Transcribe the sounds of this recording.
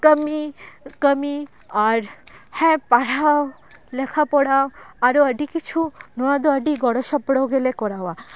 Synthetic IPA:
kəmikəmi | aɾhɛ̃paɽao | lɛkʰapɔɽaoaɾoəɖikit͡ɕʰunɔad̪oəɖiɡɔɽoʃɔpɽaoɡelekɔɾawa

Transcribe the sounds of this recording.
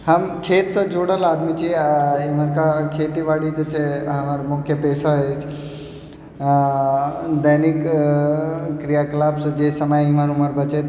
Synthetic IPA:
hɐmkʰeːt̪sə̃d͡ʒoːɽəlaːd̪mit͡ʃʰiiməɾkakʰeːt̪iʋaːɽid͡ʒɐt͡ʃeɦɐmaɾmʊkʰjəpeːsaɦet͡ʃʰ | d̪ənik | ɾijaklaːbsɐd͡ʒeːsɐmajɪmaɾuməɾbɐt͡ʃet̪

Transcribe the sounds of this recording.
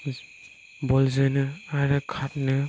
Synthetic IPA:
bɔlzɯnɯaɾɯkʰat̚nɯ

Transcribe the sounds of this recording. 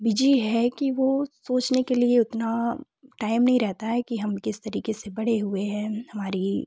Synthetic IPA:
bɪd͡ʒiɦɛkiʋosoːt͡ʃnekelieʊt̪na | ʈaːɪmnɐɦĩɾɛɦt̪aɦɛkiɦɐmkɪst̪ɐɾiːkesebɐɽ̤eɦʊeɦɛ̃hɐmaːɾi

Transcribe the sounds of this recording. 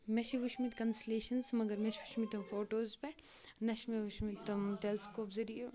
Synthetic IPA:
meʃiʋuʃmit̪kɐnsleːʃɐnsmɐɡɐɾmeʃʋuʃmit̪ɐmfoːʈoːzpe | nɐʃmeʋuʃmit̪t̪ːɐmt̪elskoːpzɐɾije

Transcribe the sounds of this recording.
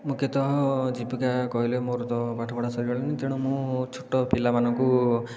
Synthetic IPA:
mũket̪ɔɦɔd͡ʒipikakɔɦilemoɾɔt̪ɔbaʈʰɔbɔɽasɔɾiɡɔɭenit̪eɽ̃umũt͡ʃʰuʈːɔpilamanɔŋku

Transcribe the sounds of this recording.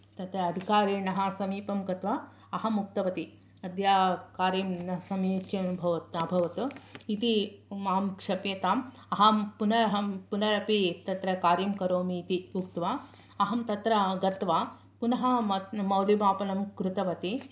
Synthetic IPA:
t̪ɐt̪ɾɐːd̪ʱikaːɾiːnɐɦɐsɐmiːpɐmɡɐt̪ʋa | ɐɦɐmuk̚t̪ɐʋɐt̪i | ɐd̪jaːkaːɾiːmnɐɦɐsɐmeːt͡ʃɐɐnubʱɐʋɐt̪ɐbʱɐʋɐt̪uit̪imaːmkʂɐpjɐt̪aːm | ɐɦɐpunɐɾɐɦɐpunɐɾɐpit̪ɐt̪ɾɐkaːɾiːmkɐɾoːmit̪iukt̪ʋaː | ɐɦɐmt̪ɐt̪ɾɐɡɐt̪ʋaː | punɐɦɐmɐmɐwlimaːpɐnɐmkɾut̪ɐʋɐt̪i

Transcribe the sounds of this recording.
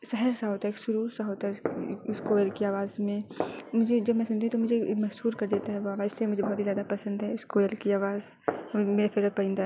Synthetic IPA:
sɛɦəɾsaɦoːt̪aɦekʃʊɾuːɾsaɦoːt̪aɦɛɪskoːjəɾkiaːʋaːzmẽmʊd͡ʒʱed͡ʒɐbmɛ̃sʊnt̪iɛ̃t̪omʊd͡ʒʱemɐzhuːɾkɐɾd̪eːt̪aɦɛʋoaːʋaːɪsliemʊd͡ʒʱebɔɦːt̪ɦizjaːd̪apɐsə̃nd̪ɦɛɪskoːjəlkiaːʋaːz | meːɾafɪɾəpɐĩːnd̪a

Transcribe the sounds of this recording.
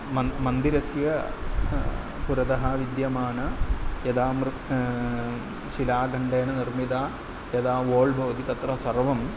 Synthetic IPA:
mɐmɐnd̪iɾɐsjɐ | puɾɐd̪ɐɦɐʋid̪jɐmaːɳɐjɐd̪aːmɾ | silaːɡʱɐɳɖeːɳɐnirmid̪aː | jɐd̪aːʋoːɭbʱoːd̪it̪ɐt̪ɾɐsɐrʋɐm

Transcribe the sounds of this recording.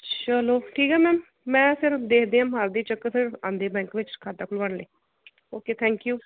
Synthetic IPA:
t͡ʃəloːʈʰiːkɦɛːmɛːmː | ɛ̃ːpʰɪɾd̪eːkʰd̪eːãːmɦaːɾd̪iːt͡ʃəkːfɪɾãːnd̪eːbɛ̃ːŋkʋɪt͡ʃkʰaːt̪aːkʰʊlbaɳlə̰ː | oːkeːt̪ʰɛ̃ːŋkjuː

